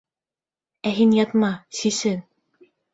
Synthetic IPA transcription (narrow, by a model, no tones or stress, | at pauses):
æɦinjɑt̪mɑsisɘn